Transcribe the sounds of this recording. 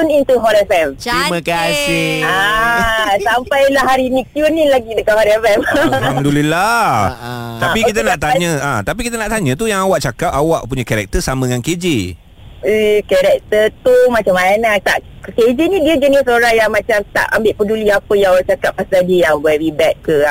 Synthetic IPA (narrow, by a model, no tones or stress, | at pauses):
unint̪uɦɔɾɛfɛmt̪ɾimakasɪa | sampajlahɦaɾinĩk̪junːĩlaɡit̪əkahɔɾɛfɛmmədulila | t̪apikit̪anaʔt̪aɲə̃at̪ap̬ikit̪ənaʔt̪aɲə̃t̪ujaŋawaʔt͡ʃakap̚awaʔpuɲakaɾɛk̚t̪əsamə̃dŋanked͡ʒi | kɛɾɛk̚t̪ət̪umãt͡ʃamanat̪a̰ʔ | ked͡ʒinĩdiəd͡ʒənisoɾaŋjaŋmãt͡ʃamt̪a̰ʔa̰mbɪʔpəduliapəjaŋat͡ʃakap̚ːast̪adijaŋbɔɛɾibɛt̪̚kəa